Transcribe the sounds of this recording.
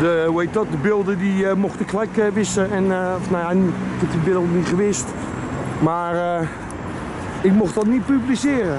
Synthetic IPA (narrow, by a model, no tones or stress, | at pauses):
dəwejt̚dɔt̚dəbɪlˠdədimɔxtɪkʰːlɛkəʋɪsəɛnfnajanikɪtibɪlˠdənitχəʋɪst | maːr | ɪk̚mɔxtɔtnit̚pyblisɪːrə